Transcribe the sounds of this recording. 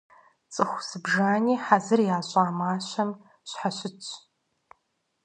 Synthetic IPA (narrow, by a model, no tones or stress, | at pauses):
t͡sʼɨxʷsɨbʒaːniːħazɨrjaːɕʼaːmaːɕɐm | ɕħaɕʷɪt͡ʃʰʼ